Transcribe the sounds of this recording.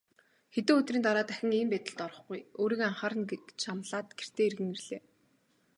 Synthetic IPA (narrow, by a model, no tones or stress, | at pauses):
xet̪ĕːɵt̪riːnt̪aɾaːt̪æxʲɪ̆ŋiːmpæːt̪ɘ̆ɮt̪ɔɾɞ̆χɡujoːɾiːkaɴχaːɾə̆net͡ɕamɮaːt̪ɡer̥t̪eːerɣɘ̆ŋirɮeː